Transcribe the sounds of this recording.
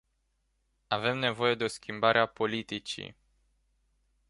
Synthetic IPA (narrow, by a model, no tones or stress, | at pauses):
ave̞mne̞vo̞je̞d̪e̞o̞skʲimbaɾʔeapo̞lit̪it͡ʃḭ